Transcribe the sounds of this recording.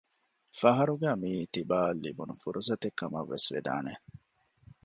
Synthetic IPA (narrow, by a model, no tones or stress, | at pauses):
fɐɦɐɾuɡæːmiːt̪ibaːlːḭbunufuɾʔusɐt̪ekːɐmɐʋːesʋḛd̪a̰ːne